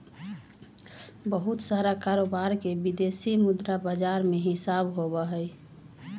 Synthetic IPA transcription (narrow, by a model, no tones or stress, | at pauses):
bəɦut̪saɾakaɾobaɾkebid̪esimud̪ɾabad͡ʒaɾmeɦɪsabɦobəɦəj